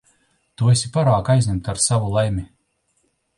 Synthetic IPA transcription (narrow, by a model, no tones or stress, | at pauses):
t̪uesʲipaɾaːkajzʲɲʲɛmt̪aɾsavulˠajmʲi